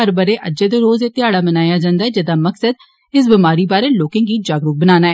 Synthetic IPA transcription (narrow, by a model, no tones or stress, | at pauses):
əɾbəɾeːʔəd͡ʒeːd̪eːɾoːzeːt̪ɪaːɽaːmənaːjaːd͡ʒãːnd̪aːɛːd͡ʒəd̪aːməksəd̪̚ | ɪs̬bimaːɾiːbaːɾeːloːkɪ̃ːŋɡiːd͡ʒaːɡɾʊk̚bənaːnaːɛː